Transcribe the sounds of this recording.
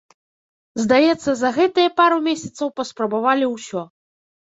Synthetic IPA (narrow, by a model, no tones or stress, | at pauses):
zd̪ajɛt̪sːɐzɐɣɛt̪ɨjɐpaɾumʲesʲɐt̪sɐwpɐspɾɐbavalʲiwsʲɔ